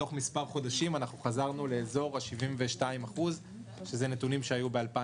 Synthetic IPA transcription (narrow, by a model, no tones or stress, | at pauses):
o̞χmispaʁχo̞daʃimanaχuχazaʁnule̞ːzo̞ʁaʃivimve̞ʃtaimaχuz | ʃe̞zene̞tunimʃeajube̞alpa